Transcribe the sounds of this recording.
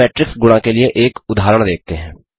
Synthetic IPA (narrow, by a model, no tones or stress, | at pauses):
ɛːʈɾɪksɡʊɽ̃ãkelɪeʔeːkʊd̪ʱaːɾəɽ̃d̪eːk̚ʰt̪eɦɛ̃ː